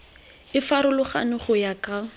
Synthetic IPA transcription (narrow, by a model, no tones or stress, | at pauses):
ɪfaɾʊlʊχa̰nʊχʊjakʼa